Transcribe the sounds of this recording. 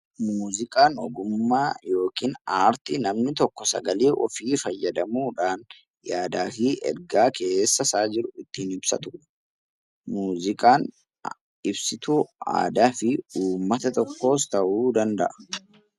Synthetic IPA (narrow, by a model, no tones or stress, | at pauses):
muːzɪkʼaːnɔɡʊmmːaːjo̞ːkiːnaːɾt̪ɪnɐmnɪt̪ɔkːɔsɐ̰ɡɐliːʔɔ̰fiːfɐjːɐd̪ɐmuːᶑaːn | jaːd̪aːfiːʔɛ̰ɾɡaːke̞ːsːɐsaːd͡ʒɪɾʊɪt̪ːiːnɪbsɐ̰t̪ʊ̥ | muːzɪkʼaːn | ɪbsɪt̪uːa̰ːd̪aːfɪuːmːɐt̪ɐt̪ɔkːo̞ːst̪ɐʔuːd̪ɐnd̪ɐʔɐ̥